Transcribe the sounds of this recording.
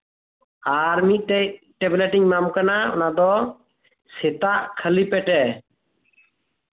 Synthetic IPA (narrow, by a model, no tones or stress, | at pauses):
aɾmit̪̚ˀt̪ɛj | ʈɛblɛʈiɲmamkanaɔ̰nad̪ɔ | sɛt̪aʔkʰəlipɛʈɛ